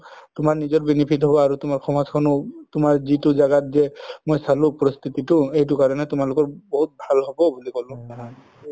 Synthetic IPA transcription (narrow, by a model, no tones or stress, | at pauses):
tʊmaɹnizɔɹbinipʰitɦɔbɔaɹutʊmaɹxʰɔmazkʰɔnɔtʊmaɹzitʊzaɡatzɛmojsalʊ̃pɔɹɔst̪ʰit̪itʊejt̬ʊkaɹɔnɛtʊmalʊkɔɹbɔɦut̚bʱalɦɔbɔbulikɔlʊ̃ɦ